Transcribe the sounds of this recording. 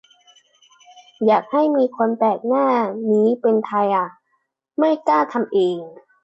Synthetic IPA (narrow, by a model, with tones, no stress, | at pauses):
jaː˨˩k̚ha˥˩jmiː˧kʰo˧nt̪ɛː˨˩k̚naː˥˩niː˦˥pe˧nt̪ʰa˧jʔa˨˩ | ma˥˩jkaː˥˩t̪ʰa˧mʔeː˧ŋ